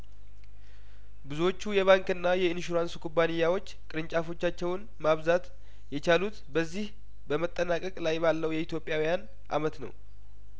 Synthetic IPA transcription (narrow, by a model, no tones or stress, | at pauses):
bɨzuwo̞t͡ʃːujɛβaŋkɨnːajɛɨnʃuɾanskʰubanɨjːawo̞t͡ʃːkʼɨɾɨɲt͡ʃʼafo̞t͡ʃːat͡ʃːɛwn | maβzat̪ | jɛt͡ʃalut̪bəzːih | bəmət̪ʼːənakʼəkʼlajbalːəwjɛit̪ʰjo̞pʼjawijan | ʔa̰mət̪nə̰w